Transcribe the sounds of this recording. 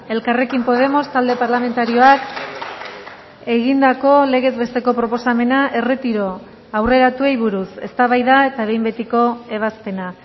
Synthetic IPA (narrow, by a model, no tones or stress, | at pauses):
e̞lkare̞kimpo̞ð̞e̞mo̞st̪ald̪e̞paɾlame̞nt̪aɾio̞ak | e̞ɣind̪ako̞le̞ɣ̞e̞zβe̞st̪e̞ko̞pɾo̞po̞same̞naʔe̞re̞t̪iɾo̞ | awre̞ɾat̪ue̞jβ̞uɾuse̞̰st̪aβajðaet̪aβe̞jmbe̞t̪iko̞e̞β̞aspe̞na